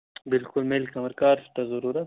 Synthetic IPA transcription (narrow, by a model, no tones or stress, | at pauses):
bɪlkʊlmelkɐmɐɾkaːɾst̪ɐzɐɾuːɾɐt̪